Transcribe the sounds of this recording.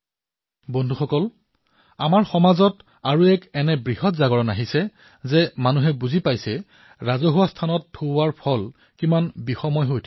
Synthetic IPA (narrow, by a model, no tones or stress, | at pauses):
bɔndʱuxɔkɔl | amaɹxɔmazɔt | aɹuɛkɛnɛbɹiɦɔtzaɡɔɹɔnaɦisɛ | zɛmanuɦɛbuzipajsɛ | ɹazɔɦuwastʰanɔtʰːoaɹpʰɔl | kimanbixɔmɔjɦojtʰ